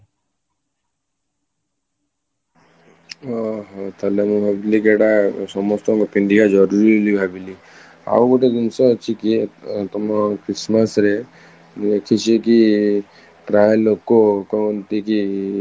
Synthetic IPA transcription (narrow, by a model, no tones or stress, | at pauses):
ɦt̪ʰəlemubʱabilikeɽasɔmɔst̪ɔ̃ŋkopiɳɖikad͡ʒɔɾuɾilibʱabili | a̰uɡoʈed̪insət͡ʃʰikit̪ɔmakɾisməsɾe | d̪ekʰit͡ʃʰeki | pɾaːlːokːokɔont̪iki